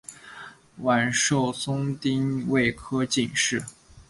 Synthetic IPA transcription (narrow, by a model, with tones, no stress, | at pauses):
wa˨˩nʂo˥˩ʊsʊ˥ŋt̪i˥ŋwe˥˩ɪkʰɤ˥t͡ɕi˥˧nʂɻ̩˥˩